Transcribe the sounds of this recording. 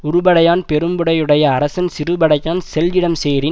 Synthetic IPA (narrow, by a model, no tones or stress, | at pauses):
ʊɾʊbɐɽɐjaːnpɛɾɯmbɯɽɐjɯɽɐjɐːɾɐsɐnsɪɾɯbɐɽɐjaːnsɛld͡ʒɪɽɐmseːɾɪ